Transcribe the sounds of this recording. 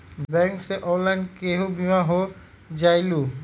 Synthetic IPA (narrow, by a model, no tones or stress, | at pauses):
bɛŋkseʔɔlajnkeɦobimaɦo | d͡ʑajlu